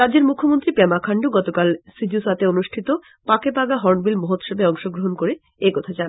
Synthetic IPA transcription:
ɾadd͡ʑeɾmukʰːomont̪ɾipɛmakʰaɳɖoɡɔt̪okalsid͡ʑusat̪eonuʃʈʰit̪o | pakepaɡaɦɔɾnbilmoɦot̪ʃɔbeɔŋʃoɡɾoɦonkoɾe | ekɔt̪ʰat͡ɕan

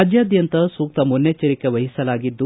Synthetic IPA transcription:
ad͡ʒjaːd̪jɐnt̪ɐsuːk̚t̪ɐmunːet͡ʃɐɾikeʋɐɦisɐlaːɡid̪ːu

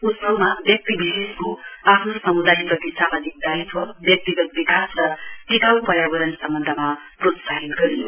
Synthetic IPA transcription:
usmʌmabjʌk̚t̪ibiseskoapʰnosʌmud̪ajprʌt̪isamad͡zik̚d̪ajt̪ʰʌbjʌk̚t̪iɡʌt̪̚bikasrʌt̪ik̪awpʌɾjabʌɾʌnsʌmbʌnd̪ʱəma | prot̪saɦit̪ɡʌɾijo̰

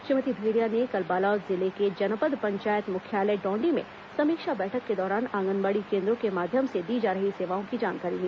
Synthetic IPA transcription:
ʃɪmət̪ibʱeːɾijanekɐlbaːlaːzɪleked͡ʒɐnəpəd̪pɐ̃ɲt͡ʃaːjət̪mʊkʰjaːləɖɔ̃ːɳɖimḛ̃ | sɐmiːkʃabɛːʈʰəkːed̪ɔːɾaːnãːŋɡənbaːɽikẽːnd̪ɾõkemaːd̪ʱjəmsed̪iːd͡ʒaːɾəɦiseːʋaːõkid͡ʒaːnkaːɾiliː

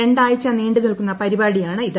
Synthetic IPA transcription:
eɳɖaːjit͡ɕːɐneːɳɖɨkɐɭkunːɐpɐɾibaːɽijaːɳɨiðɨ

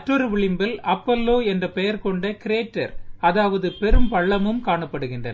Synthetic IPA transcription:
ʈrɯɾɯʋɪɭɪmbɐlɐpːɐlːoːɛndrɐpɛjɐɾkɔɳɖɐkɪɾeːʈːɐɾɐðaːʋɐðɯpɛɾɯmpɐɭːɐmɯmkaːɳɐpːɐɽɯɣɪndrɐnɐ

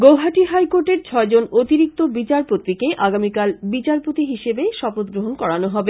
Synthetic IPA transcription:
ɡowɦaʈiɦajkoɾʈeɾt͡ɕʰɔed͡ʑonot̪iɾik̚t̪obit͡ɕaɾpot̪ɾikeʔaɡamikalbit͡ɕaɾpot̪iɦiʃebeʃɔpot̪̚ɡɾoɦonkɔɽanoɦɔbe

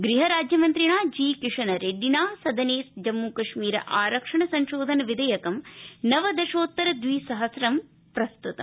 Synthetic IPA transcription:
ɡɾiɦɐɾaːd͡ʒjɐmɐnt̪ɾiɳaːd͡ʒiːkiʂɐnɐɾeɖinaːsɐd̪ɐneːsd͡ʒɐmːukɐʂmiːɾɐ̰ʔaːɾɐkʂɐɳɐsɐɲʃoːd̪ʱɐnɐʋid̪ɐjɐkɐmnɐʋɐd̪ɐʃoːt̪ːɐɾɐd̪ʋiːsɐɦɐsɾɐm | pɾɐst̪ut̪ɐ̰m

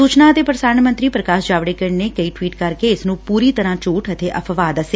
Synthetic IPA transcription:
suːt͡ʃnaːt̪eːpɾəsaːɳmə̃nt̪ɾiːpɾəkaːʃd͡ʒaːʋɽeːkəɽneːkəiːʈʋiːʈkəɾkeːɪsnũːpuːɾiːt̪əɾãːt͡ʃuːʈʰət̪ʰeːʔə̰pʰʋaːd̪əseː

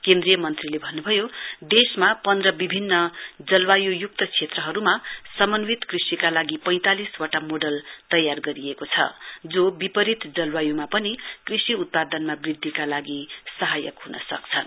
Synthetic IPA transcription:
kẽnd̪rijʌmʌnt̪rilebʱʌnːubʱʌjod̪esmapʌnd̪rʌbibʱinːʌd͡zʌlwajujuk̚t̪ʌt͡sʰet̪rʌɦʌɾumasʌmʌnwit̪krisikalaɡipʌj̃t̪aliswaʈamoɖʌlt̪ʌjarɡʌɾiekot͡sʰʌ̰d͡zobipʌɾit̪d͡zʌlwajumapʌnikrisiut̪̚pad̪ʌnmabrid̪ʱːikalaɡisʌɦajʌ̰kɦunʌ̰sʌ̰kt͡sʰʌn

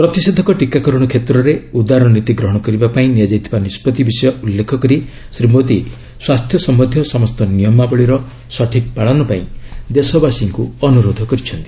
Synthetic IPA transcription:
pɾɔt̪ised̪ʱɔkɔʈikakɔɾɔɽ̃ɔkʰet̪ɾɔɾeud̪aɾɔ̃ɔnit̪iɡɾɔɦɔɽ̃ɔkɔɾibapaĩnijad͡ʒajt̪ʰibanispɔt̪ibisɔjɔulːekʰɔkɔɾi | sɾimot̪i | swast̪ʰjɔsɔmɔd̪ʱjɔsɔmɔst̪ɔnijɔmabɔɭiɾɔ | sɔʈʰik̚paɭɔnɔpaĩd̪esɔbasiŋkuɔnuɾod̪ʱɔkɔɾit͡ʃʰɔnt̪i̥

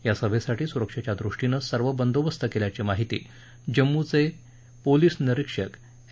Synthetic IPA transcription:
jasəbʱesaʈʰiːsuɾəkʂat͡ɕjad̪ɾuʂʈinəsəɾʋəbənd̪oʋəst̪ʰəkeljat͡ɕimaɦit̪ḭː | d͡ʑəmːut͡se | poliːsniɾikʂək

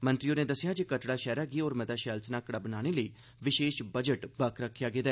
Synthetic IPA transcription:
mə̃nt̪ɾɪjoːnẽːd̪əsːɪjaːd͡ʒikəʈɽaːʃɛːɾaːɡiːoːɾmɛd̪aːʃɛːlsnaːkəɽaːbənaːɽ̃eːləiː | ʋɪʃeːʃbəd͡ʒəʈbəkʰɾəkʰːjaːɡeːd̪ɛː

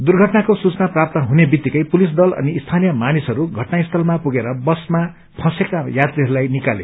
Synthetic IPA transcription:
d̪urɡʱʌʈnakosut͡snaprap̚t̪ʌɦunebit̪ːikʌjpulisd̪ʌlʌ̰niːst̪ʰanijʌmanisɦʌɾuɡʱʌʈnaist̪ʰʌlmapuɡeɾʌbʌsma | pʰʌ̃sekajat̪riɦʌɾulajnikalḛ

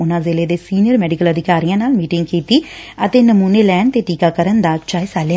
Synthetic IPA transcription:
ʊnãːzeːleːd̪eːsiːnijəɾmɛːɖɪkələd̪ʱɪkaːɾijãːnaːlmiːʈɪŋɡkiːt̪iːət̪eːnəmuːneːlɛːɳt̪eːʈiːkaːkəɾənd̪aːt͡ʃaːesaːleja

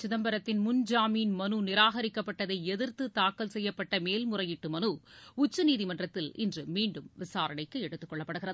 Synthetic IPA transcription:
t͡ʃʊðɐmbɐɾɐt̪ːɪnmʊnd͡ʒaːmiːnmɐnunɪɾaːɣɐɾɪkːɐpːɐʈːɐðɐɪɛðɪɾt̪ɯt̪aːkːɐlsɛjːɐpːɐʈːɐmeːlmʊrɐjɪʈːɯmɐnuʊt͡ʃːɯniːðimɐndrɐt̪ːɪlɪ̰ndrɯmiːɳɖɯmʋɪsaːɾɐɳɐɪkːɯɛɽɯt̪ːɯkːɔɭːɐpːɐɽɯɣɪrɐð

